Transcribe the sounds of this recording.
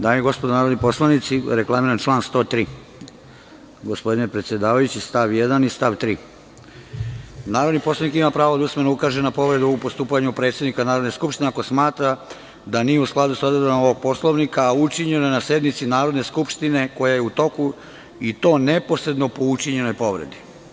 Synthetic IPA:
d̪aːjeɡo̞spod̪onaːɾod̪nipo̞slˠanit̪siɾeklˠamiɾant͡ʃlˠaːnst̪o̞ːt̪ɾiː | ɡo̞spo̞d̪inepɾet̪sje̞d̪aːʋajut͡ɕist̪aʋjed̪anist̪aʋt̪ɾiː | naːɾo̞d̪nipo̞slˠaʋnikimapɾaːʋod̪ausme̞noukaːʒenapo̞ʋɾe̞d̪uupo̞st̪uːpaɲupɾe̞t̪sjed̪nikanaːɾod̪neskupʃt̪ineako̞smaːt̪ɾa | d̪anijeusklˠad̪usad̪od̪onaoʋoɡ̚po̞slˠoʋnikaut͡ʃiɲenojnase̞d̪nit̪sinaːɾo̞d̪ne̞skupʃt̪ine̞ko̞jajeut̪o̞ku | it̪o̞ːnepo̞sɾe̞d̪no̞po̞ut͡ʃiɲe̞no̞jpo̞ʋɾed̪i

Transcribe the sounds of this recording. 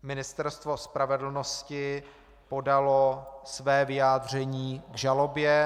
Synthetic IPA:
mɪnɪst̪ɛɾst̪vo̞spɾavɛdl̩noscɪ | po̞dalosvɛːvɪjaːd̪r̝ɛɲiːɡʒalo̞bjɛ

